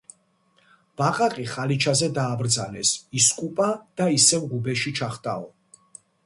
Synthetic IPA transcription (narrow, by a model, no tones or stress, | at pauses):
b̥aqʼaqʼiχalit͡ʃʰazɛd̪aːbɾd̪zanɛsiskʼupʼad̪̥aisɛvʁubɛʃit͡ʃʰaχt̪ʼa̰ɔ